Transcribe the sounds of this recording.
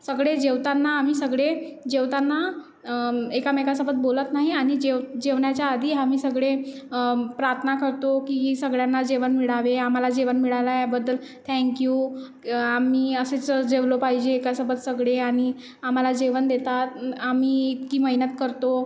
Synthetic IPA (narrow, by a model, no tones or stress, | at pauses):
səɡɭed͡ʑeʋt̪anːaːmiːsəɡɭed͡ʑeʋt̪anːa | ekamɛkasəbət̪̚bolət̪naɦiaɽ̃id͡ʑeʋd͡ʑeʋɳjat͡ɕjaːd̪ʱiːamiːsəɡɭe | pɾaɾt̪ʰənakəɾt̪okisəɡɭjanːad͡ʑeʋənmiɽaʋeam̤alad͡ʑeʋənmiɭalajebəd̪ːəl | t̪ʰɛ̃ŋkju | amiːəset͡sd͡ʑeʋlopaɦid͡ʑeːkasəbət̪səɡɭeaɽ̃i | am̤alad͡ʑeʋənd̪et̪at̪amiːit̪kiːməɦinət̪kəɾt̪o